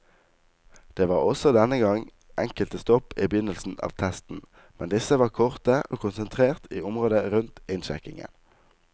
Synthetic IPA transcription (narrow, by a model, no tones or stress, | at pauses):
d̪̥eːʋɑːʁɔsɔd̪ɛnəɡɑŋ | ʔɛŋkəlt̪əst̪ɔpiːbjʏnəlsn̩ɑ̰ːʋt̪ʰɛst̪n̩ | mɛnd̪ɪsəʋɑːʁkʰɔʁt̪əʔoːkʰʊnsənt̪ʰʁeːʁt̪iːʊmʁoːd̪əʁʉnt̪ɪnʃɛ̰kɪŋə̰n